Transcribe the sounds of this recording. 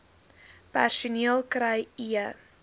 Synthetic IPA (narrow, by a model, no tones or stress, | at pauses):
pæ̰rsuniəlˠkɾəjiə